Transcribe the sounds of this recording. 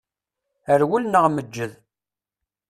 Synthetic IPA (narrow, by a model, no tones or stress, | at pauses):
əɾwulnəʁməd͡ʒːəð